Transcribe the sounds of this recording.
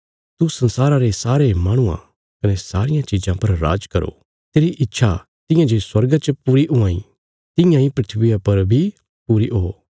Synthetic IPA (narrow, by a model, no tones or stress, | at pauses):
t̪usɐ̃nsaːɾaɾesaːɾemaːɽ̃ʊã̰ | kɐnesaːɾɪjãt͡ʃɪd͡ʒãpɐɾːa̰ːd͡ʒkɐɾo̰ | t̪eːɾiʔɪtːʃʰa | t̪ɪ̃jãd͡ʒoːswɐɾɡat͡ʃpuːɾiʔʊ̃ãːĩ | t̪ɪ̃jãĩpɾɪt̪ʰbɪjapɐɾbʱi | puːɾiʔoː